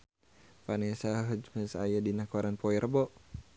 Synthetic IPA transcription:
panisaɦəd͡ʒməsajadinakɔɾanpɔiɾʔəbɔʔ

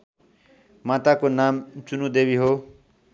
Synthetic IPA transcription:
mat̪akonamt͡sunũd̪eːbiɦo

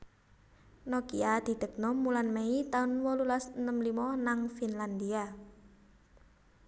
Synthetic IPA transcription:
nɔkḭad̪̥i̤d̪̥ə̤k̚nɔmːulanmeit̪aʊnwɔlulasnəmlimɔnaŋfinland̪ia

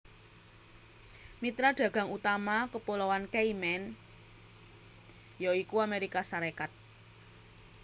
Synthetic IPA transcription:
mit̪ɾaɖ̥ä̤ɡ̥ä̤ŋut̪amakəpolɔwankeimɛn | joikuameɾikasaɾekat̪̚

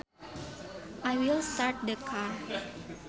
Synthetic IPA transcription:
ʔajwilstaɾt̚dəkʰaɹ

